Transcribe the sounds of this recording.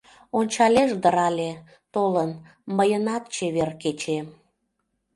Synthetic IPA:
onʲt͡ɕɑlʲeʒd̪əɾɑlʲe | t̪olən | məjənɑt̪̚t͡ɕeβerket͡ɕe

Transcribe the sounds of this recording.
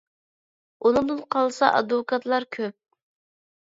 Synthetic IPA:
unɨŋd̪ɨnqʰɑlˠsɑʔɑd̪wʊkʰɑt̪lˠɑɾkʲʰøp̚

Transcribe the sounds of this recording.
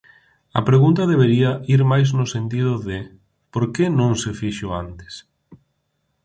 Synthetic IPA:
ɐ̰pɾeɣunt̪ɐðeβeɾiɐiɾmajznʊsent̪ið̞ʊðɪ | poɾkenõŋsefiʃoant̪ɪ̥s

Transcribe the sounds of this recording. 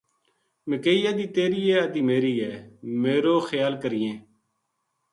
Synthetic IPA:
mɪkeːiːjaːd̪iːt̪eːɾiːɛːəd̪iːmeːɾiːɦɛːmeːɾoːxəjaːlkəɾɪjẽː

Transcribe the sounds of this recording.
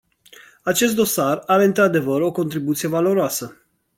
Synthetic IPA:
at͡ʃe̞st̪d̪o̞saraɾeɨnt̪ɾad̪e̞vəɾo̞ko̞nt̪ɾibut̪sije̞valo̞ɾoasə

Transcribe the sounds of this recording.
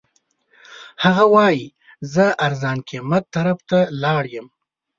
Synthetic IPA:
haɣawɑji | zəaɾzɑːnkʰemat̪ːaɾaft̪alɑːɽjəm

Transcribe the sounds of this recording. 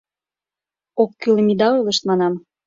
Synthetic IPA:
okːyləmid̪ɑojləʃt̪mɑnɑm

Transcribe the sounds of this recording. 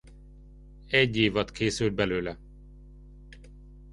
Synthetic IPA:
ɛɟːeːvɒt̪kʰeːsyld̪̚bɛløːlɛ

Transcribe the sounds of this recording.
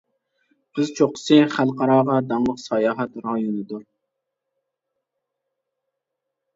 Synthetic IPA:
qʰəzt͡ʃʰoqə̥sɨχælˠqʰɑɾɑːʁɑd̪ɑŋlˠəqsɑjɑːɦɛt̪ɾɑjunɨd̪uɾ

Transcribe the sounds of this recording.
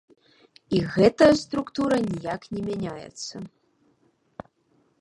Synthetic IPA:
iɣɛt̪ɐjɐst̪ɾukt̪uɾɐnʲijaknʲɛmʲanʲajɛ̰t̪sːɐ

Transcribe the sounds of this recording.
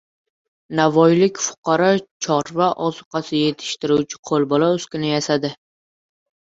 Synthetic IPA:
navɒjlɪkʲfʊ̥qʰɑɾɒt͡ʃʰɒɾvaʔɒzʊqɑsɪje̞t̪ʰɪ̥ʃt̪ɪɾut͡ʃʰɪ̥qʰolˠbɒlaɵskʲʊnɪjasad̪ɪ

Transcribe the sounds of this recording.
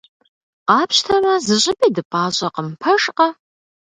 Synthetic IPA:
qɑːpʰʃtʰɐrɐzɨɕʼɪbʼɐdɨpʼɑːɕʼɐqəmpʰɐʂqɐ

